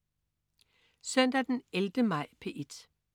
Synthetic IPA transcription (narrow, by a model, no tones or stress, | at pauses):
sœn̰d̥æd̥eneld̥əmɑ̈ɪ̰pʰe̝ːʔed̥